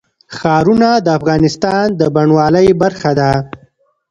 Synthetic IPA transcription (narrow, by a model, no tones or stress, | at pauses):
xɑːɾunad̪əafɣɑːnɪst̪ɑnd̪əbaɳwɑːləjbaɾxad̪a